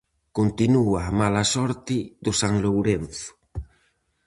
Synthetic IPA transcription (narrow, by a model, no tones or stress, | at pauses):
kont̪inuaːmalasɔɾt̪ɪðʊsaŋlowɾen̟θʊ̥